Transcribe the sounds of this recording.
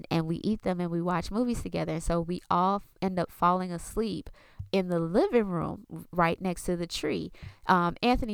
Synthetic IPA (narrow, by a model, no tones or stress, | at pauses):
ɨ̃nwḭʔit̪̚ðɨ̃mɨ̃nwiwɑt͡ʃmuviz̥tʰɨɡɛðə˞ɨ̃nsoʊwiʔɔlˠɛ̃ndʌpfɑlˠɪ̃ŋəslip | ɨ̃nðəlɪvɪ̃ŋɹṵ̃mɹaɪʔⁿnɛkstʰɨðɨtʰɹ̥ḭʔʌ̃mæ̃nθɨni